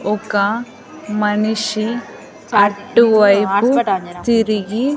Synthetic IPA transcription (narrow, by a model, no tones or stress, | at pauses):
ɔka | mɐniʂi | ɐʈːuʋɐjput̪iɾiɡi